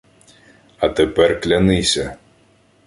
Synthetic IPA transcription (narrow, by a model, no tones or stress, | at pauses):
ɐt̪epɛrklʲɐnɪsʲɐ